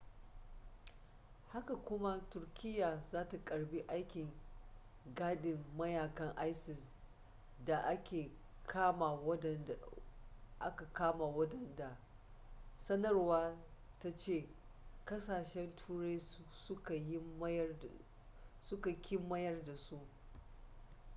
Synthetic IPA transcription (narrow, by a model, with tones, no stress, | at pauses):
ha˦ka˨kʷʊ˦ma˦tʊ˨rkʲɪ˦jːaː˨zaː˦ta˨kʼɐ˨ɽbi˦ʔa˦jkʲɪ˨ŋ | ɡaː˦ɗɪ˨mːɐ˦jaː˨kɐ˦ŋʔa˦jsɪ˨s | da˨ʔa˦kʲeː˨ | kʰaː˦ma˨wɐ˦˨n˨ | ʔa̰˦ka˨kaː˦ma˨wɐ˦dɐ˨nda˨ | sɐ˦nɐ˦rwaː˦ | ta˦t͡ʃeː˦˨ | kɐ˦saː˨ʃɛ˦ntʰuː˦ɽe˦jsʊ˦ka˨ji˦ | sʊ˦ka˨kʲɪ˦mːɐ˦jɐ˦rda˨su˦ʔ